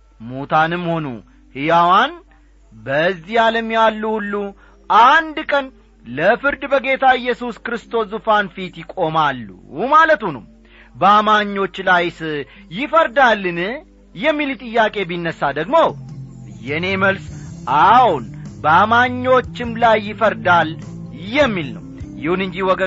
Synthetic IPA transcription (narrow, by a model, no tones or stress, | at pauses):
mut̪ʰanɨmːho̞nṵ | hɨjawan | bəzːijaləmjalːuhulːu | ʔand̪kʼən | ləfɨɾd̪bəɡe̞t̪ʰaɪjːɛsuskɨɾɨst̪ʰo̞szufanfit̪jɪkʼo̞malːṵmalət̪hunum | bəamaɲːo̞t͡ʃːlajsɨːɪfəɾd̪alːɨn | jɛmːilit̪ʼɨjːakʼe̞binːəsːad̪əɡmo̞jɛne̞məlsʔawunbəamaɲːo̞t͡ʃːɪmlajːɪfəɾd̪al | jɛmːilnə̰wjɪhunɨɲd͡ʒiwɔɡə